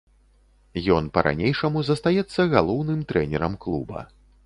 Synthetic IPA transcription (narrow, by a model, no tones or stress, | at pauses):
jɔnpɐɾʔa̰nʲejʂɐmuzɐst̪ajɛt̪sːɐɣalˠɔwnɨmt̪ɾɛnʲɛɾɐmklˠubɐ̰